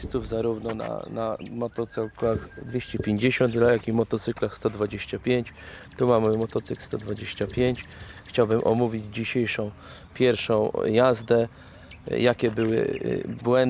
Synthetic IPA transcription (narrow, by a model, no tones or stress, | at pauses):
st̪uvzaɾuvnɔna̰namɔt̪ɔt̪sɛklaxd̪vʲeɕt͡ɕɛpʲjeɲd͡ʑeɕɔnt̪lajakivmɔt̪ɔt̪sɘklaxst̪ɔd̪vad͡ʑeɕt͡ɕapʲjeɲt͡ɕt̪umamɘmɔt̪ɔt̪sɘkst̪ɔd̪vad͡ʑeɕt͡ɕapʲjeɲt͡ɕ | xt͡ɕawbɘmʔɔ̰muvʲid͡ʑd͡ʑiɕejʂɔ̃w̃ | pʲjɛɾfʂɔ̃w̃jazd̪ɛ | jakʲɛbɘwɘ̰bwɛn